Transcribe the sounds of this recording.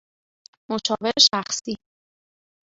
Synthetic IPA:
mot͡ʃʰɒːve̞ɾeʃæxsi

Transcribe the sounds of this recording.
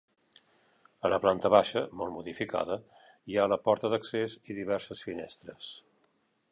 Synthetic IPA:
ələplant̪əβaʃəmɔlˠmuðifika̰ðə | ialəpɔɾt̪əðəkseziðiβɛɾsəsfinest̪ɾəs

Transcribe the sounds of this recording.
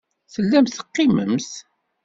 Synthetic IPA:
θəlːæmθə̥qːimə̰mθ

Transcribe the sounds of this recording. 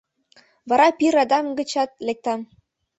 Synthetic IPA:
vɑɾɑpʲiɾɑd̪ɑmɡɤ̆t͡ɕɑt̪̚lʲek̚t̪ɑm

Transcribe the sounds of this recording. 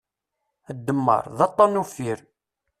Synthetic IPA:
əd̪ːəmːə̰ɾˤðɑt̪ˤːɑnufiɾ

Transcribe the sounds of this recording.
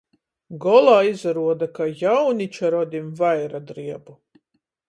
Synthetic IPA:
ɡɔlˠaːizaɾuɔd̪akajawnit͡ʃaɾɔd̪ʲimvajɾad̪ɾiɛbu

